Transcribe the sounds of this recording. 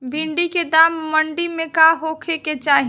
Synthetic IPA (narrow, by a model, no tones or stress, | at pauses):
bʱiɳɖiked̪aːmːəɳɖimẽkaɦoːkʰeket͡ʃaːɦi